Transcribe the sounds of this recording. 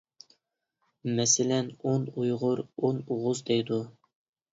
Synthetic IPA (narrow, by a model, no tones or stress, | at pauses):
mɛsɪlɛnonujʁʊɾonuʁʊzd̪ɛjd̪u